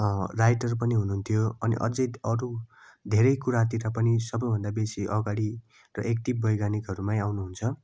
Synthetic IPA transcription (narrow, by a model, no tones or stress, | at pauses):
rajʈʌrp̬ʌniɦunuɦnt̪ʰijoʌnḭʔʌ̰d͡zʌjʌɾu | d̪ʱeɾʌjkuɾat̪̬iɾʌpʌnisʌbʌjbʱʌnd̪abesiʔʌɡaɽi | rʌʔek̚t̪ibbʌjɡanikɦʌɾumãj̃awnuɦunt͡sʰʌ